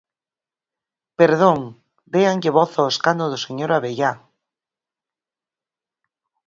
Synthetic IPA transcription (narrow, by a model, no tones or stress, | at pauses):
peɾðoŋ | d̪eaŋʎeβɔθaoeskandoðoseɲoɾaβeʝa